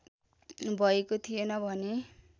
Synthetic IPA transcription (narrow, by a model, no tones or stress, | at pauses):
bʱʌekot̪ʰijenʌbʱʌne